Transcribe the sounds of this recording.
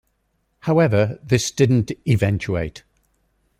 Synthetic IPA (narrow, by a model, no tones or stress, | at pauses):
haʊɛvəðɪsd̥ɪdⁿn̩tɪvɛ̃nt͡ʃuḛɪt